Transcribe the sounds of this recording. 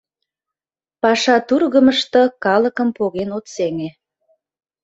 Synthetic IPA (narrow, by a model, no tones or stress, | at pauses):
pɑʃɑt̪urɣəməʃt̪okɑləkəmpoɣenot̪seŋe